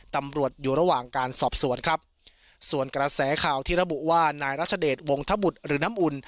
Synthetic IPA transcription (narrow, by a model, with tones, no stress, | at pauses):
t̪a˧mɾu˨˩ət̪̚juː˨˩ɾa˧˥waː˨˩ŋkaː˧nsɔː˨˩p̚su˨˩˦ənkʰɾa˦˥p̚ | su˨˩ənkɾa˧sɛː˩˦kʰaː˨˩wt̪ʰiː˥˩ɾa˦bu˨˩ʔwaː˥˩naː˧jɾaː˦˥˩t͡ɕʰa˧deː˨˩t̪̚wo˧ŋt̪ʰa˦˥bu˨˩t̪̚ɾɯː˩˦na˦˥mʔu˧n